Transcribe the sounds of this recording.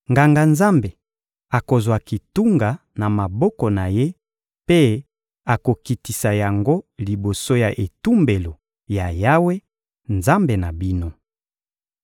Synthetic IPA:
ŋɡa˨ŋɡa˨nza˦mbe˨ | a˨ko˨zwa˨ki˨tu˦ŋɡa˨ | na˨ma˨bɔ˦kɔ˨na˨je˦ | pe˦ | a˨ko˨ki˨ti˨sa˨ja˨ŋɡo˦li˨bo˨so˦ja˨ʔe˨tu˦mbe˨lo˨ | ja˨ja˦we˦ | nza˦mbe˨na˨bi˦no˦

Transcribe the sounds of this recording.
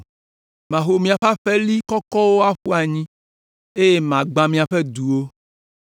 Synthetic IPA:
mã˨xo˨mĩ˨a˨ɸa˦ɸɛ˦li˦kɔ˦kɔ˦wo˦a˦ɸu˦a˨ɲĩ˦ | e˦je˦mã˨ɡ͡bã˨mĩ˨a˨ɸɛ˦d̪u˨wo˦

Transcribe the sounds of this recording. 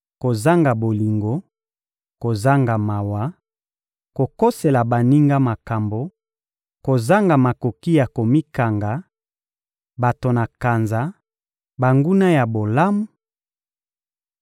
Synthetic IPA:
ko˨za˦ŋɡa˨bo˨li˨ŋɡo˦ | ko˨za˦ŋɡa˨ma˨wa˨˦ | ko˨ko˦se˨la˨ba˨ni˦ŋɡa˦ma˨ka˨mbo˨ | ko˨za˦ŋɡa˨ma˨ko˨ki˦ja˨ko˨mi˦ka˨ŋɡa˨˦ | ba˨to˨na˨ka˨nza˨˦ | ba˨ŋɡu˦na˦ja˨bo˨la˦mu˦

